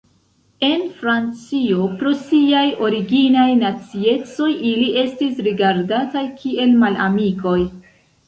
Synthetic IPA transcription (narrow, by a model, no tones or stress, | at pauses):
e̞nfɾant͡sio̞pɾosiajo̞ɾiɡinajnat͡sie̞t͡so̞jʔiliʔe̞stisɾiɡaɾdatajkʰie̞lmala̰miko̞j